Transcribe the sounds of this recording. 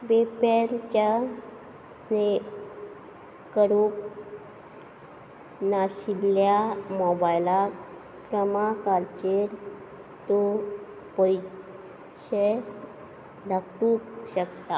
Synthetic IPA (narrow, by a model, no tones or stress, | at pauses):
ʋepeɾt͡ɕa | sne | kəɾuk | naɕiljamɔbajla | kɾəmakaɾt͡ɕeɾ | t̪o | pɔi | ɕe | d̪ʱakũːkɕəkt̪a